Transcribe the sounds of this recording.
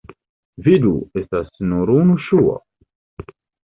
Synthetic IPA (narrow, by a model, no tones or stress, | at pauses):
vid̪uest̪asnuɾunuʃua̰